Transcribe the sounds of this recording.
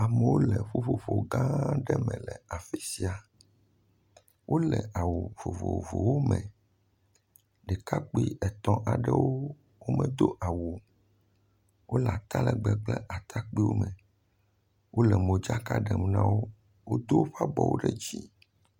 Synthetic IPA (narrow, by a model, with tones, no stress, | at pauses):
a˨mɛ̃˨wo˦lɛ˨ɸo˦ɸo˨fo˨ɡã˦ɖɛ˦mɛ̰̃˨lɛ˨a˨fi˨si˦a˨ | wʔo˦lɛ˨ʔa˨wo˨vo˨vo̰˨vo˨wo˦mɛ̃˨ | ɖɛ˨ka˦k͡pi˦ɛ˨t̪ɔ̃˨ʔa˨ɖɛ˦wo˦ | wo˦mɛ̃˨d̪o˦ʔa˨wo˨ | wo˦la˨t̪a˦lɛ˨ɡ͡bɛ˨ɡ͡blɛ˦ʔa˨t̪ʰa˦k͡pi˦wo̰˦mɛ̃˨ | wʔo˦lɛ˨mõ˨d͡ʒa˦ka˦ɖɛ˨m˦nã˦wo˦ | wo˦d̪o˦ɸa˦bɔ˨wo̰˦ɖɛ˦d͡ʑi˦